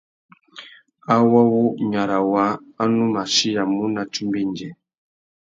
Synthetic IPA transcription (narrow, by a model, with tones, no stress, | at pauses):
a˦wɔ˦wu˦ɲa˨ɾa˨wa˨˦a˦nu˦ma˨ʃi˦ja˨mu˦na˨t͡ʃu˦mbi˦nd͡ʒɛ˨